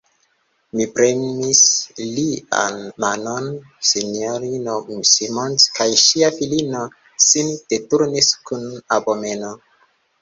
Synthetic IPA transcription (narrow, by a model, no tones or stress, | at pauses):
mipɾemislia̰nmanon | sinoɾinomsimonskajʃiafilino | sind̥etuɾniskunabomeno